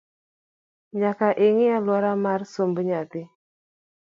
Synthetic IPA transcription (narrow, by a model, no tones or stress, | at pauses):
ɲakaʔiŋialuaɾamarsombəɲat̪i